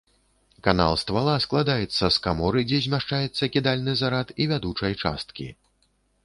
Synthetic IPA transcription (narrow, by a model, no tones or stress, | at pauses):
kana̰lˠst̪valˠasklˠad̪ajɛt̪sːɐskamɔɾɨd͡zʲɛzʲmʲaʂt͡ʂajɛt̪sːɐkʲid̪alʲnɨzaɾat̪ivʲad̪ut͡ʂɐjt͡ʂa̰st̪kʲḭ